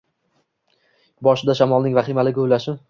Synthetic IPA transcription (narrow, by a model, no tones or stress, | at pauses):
bɒʃɪd̪aʃamɒlˠnɪŋvaχɪmalɪɡʲolaʃɪ